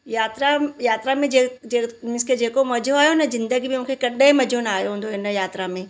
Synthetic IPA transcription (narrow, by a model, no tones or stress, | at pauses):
jaːt̪ɾajaːt̪ɾamẽemɪskʰed͡ʑeːkomɐd͡ʑʱoaːjonɐzɪ̃nd̪əɡibɪmũːkʰekɐɗẽmɐd͡ʑʱonaːɦjoɦũːn̆d̪oɦɪnəjaːt̪ɾamẽː